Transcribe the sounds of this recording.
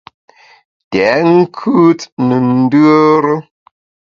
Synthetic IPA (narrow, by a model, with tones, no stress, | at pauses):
tɛ˨˦ŋ̩˦kʰʉ˦tnə˨n̩˦də˦ɾə˦